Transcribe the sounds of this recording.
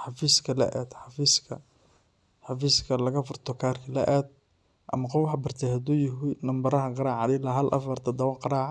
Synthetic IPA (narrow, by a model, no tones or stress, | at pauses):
ħɑfiːskʰɐlɐ̰ʔɛːd̪ħɑfiːskʰɐ | ħɑfiːskʰɐlɐɣɐfʊrt̪ʰɔkʰaːrkʰɐlɐ̰ʔɛːd̪̚ | ʔɐ̰mɐqɔfwħɑbɐrt̪ʰɛhɐd̪uːjɪɦɪnɐmbɐɾɐɦɐqɑɾɑːʕɑðɛlɐɦɐlʔɐ̰fɐrt̪ʰɐd̪ɐwɐqɑɾɑːʕ